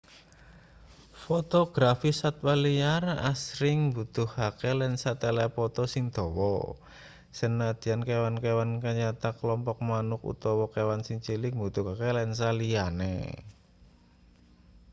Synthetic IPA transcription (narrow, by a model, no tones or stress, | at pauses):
fot̪ɔɡ̥ɾafisat̪̚walijarasɾɪŋbut̪ʊhakelɛnsat̪elɛpɔt̪ɔsɪŋd̪̥ɔ̤wɔ̰ | sənad̪̥i̤ankewankewankaɲat̪akəlɔmpɔk̚manʊkṵt̪ɔwɔkewansiŋt͡ʃilɪkmbut̪uhakelɛns̬alijanḛ